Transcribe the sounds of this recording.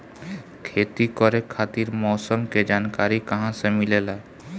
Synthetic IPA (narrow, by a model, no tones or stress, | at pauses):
kʰeːt̪ikɔɾekʰaːt̪iɾmɔːsəmked͡ʒaːnkaːɾikəɦãsemilela